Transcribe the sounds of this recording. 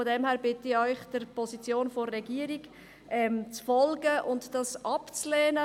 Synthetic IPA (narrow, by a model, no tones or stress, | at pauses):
fodɛmhæːɾbɪtɪœʏχd̥əɾpʰɔsit͡sjoːnforːɛɡiəɾik | ʔɛmt͡sfɔlɡəʔʊntd̥ɑsʔɑpt͡slɛːnə